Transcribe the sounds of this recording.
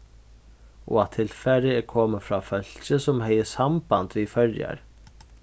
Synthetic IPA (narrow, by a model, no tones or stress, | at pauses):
ʔɔ̰at̪ʰɪlfɛɾɪɛɾkʰɔːməfɾaːfœl̥t͡ʃəsɔmɦɛjəsambant̪ʋifœɹja̰ɹ